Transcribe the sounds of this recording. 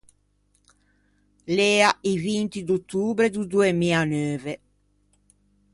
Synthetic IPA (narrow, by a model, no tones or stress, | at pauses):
lɛːaivint̪id̪ut̪ːuːbɾed̪ud̪uemiːanøːve